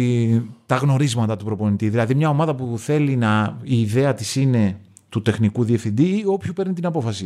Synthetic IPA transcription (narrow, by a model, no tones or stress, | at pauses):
it̪ɐɣno̞ɾizmɐt̪ɐt̪upɾo̞po̞nit̪iðilɐðimɲɐo̞mɐðɐpuθe̞linɐiːðe̞ɐt̪isine̞ | t̪ut̪e̞xnikuðie̞fθind̪io̞pçupeɾnit̪inɐpo̞fɐsi